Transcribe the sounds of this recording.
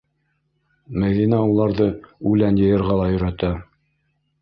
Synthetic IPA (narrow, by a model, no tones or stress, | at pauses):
mæðinæulˠɑɾðɤʉlænjɤ̆jɤ̆ɾʁɑlˠɑjɵ̆ɾæt̪æ